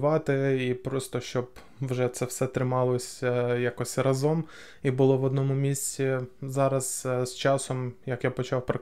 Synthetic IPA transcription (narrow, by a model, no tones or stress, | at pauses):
ʋɑt̪ɪipɾɔst̪ɔʃt͡ʃɔb | wʒɛt̪sɛwsɛt̪ɾɪmɑlˠɔsʲjakɔsʲrɐzɔm | ibʊlˠɔʋɔd̪nɔmʊmʲisʲt͡sʲizɑɾɐz̥st͡ʃɑsɔmjɐkjapɔt͡ʃɑwpɾɐ